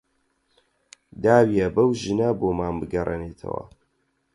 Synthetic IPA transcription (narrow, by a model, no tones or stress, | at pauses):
d̪aːwijɐbɐwʒɨnaboːmaːnbɨɡɐrʔḛneːt̪ʰɐ̰wɐ̰